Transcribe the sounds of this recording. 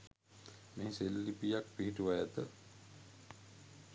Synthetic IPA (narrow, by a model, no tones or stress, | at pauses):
meiselːipijak̚piɦiʈuʋajat̪ə